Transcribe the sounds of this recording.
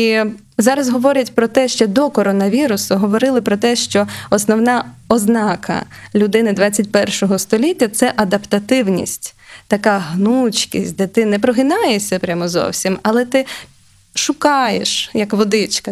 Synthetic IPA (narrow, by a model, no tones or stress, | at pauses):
i | zɑɾɐzɦɔʋɔɾʲɐtʲpɾɔt̪ɛʃt͡ʃɔd̪ɔkɔɾɔnɐʋʲiɾʊsʊɦɔʋɔɾɪlˠɪpɾɔt̪ɛʃt͡ʃɔɔsnɔwnɑɔznɑkʰɐ̰lʲʊd̪ɪnɪd̪ʋɑt͡sʲːɐtʲpɛrʃɔɦɔst̪ɔlʲitʲːɐt̪sɛʔɐd̪ɐpt̪ɐt̪ɪwnʲḭsʲtʲt̪ɐkɑɦnut͡ʃkʲisʲtʲd̪ɛt̪ɪnɛpɾɔɦɪnɑjesʲɐpɾʲamɔzɔ̰wsʲimɐlˠɛt̪ɪ | ʃʊkɑjḛʃjɐkʋɔd̪ɪt͡ʃkɐ